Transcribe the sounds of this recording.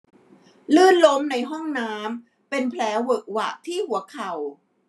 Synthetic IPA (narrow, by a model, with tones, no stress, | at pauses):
lɯː˥˩nlo˦˥mna˧jɦɔ˥˩ŋnaː˦˥m | pe˧npʰlɛː˦˥wɤ˨˩k̚wa̰˨˩ʔt̪ʰiː˥˩hu˩˦ɐkʰa˨˩w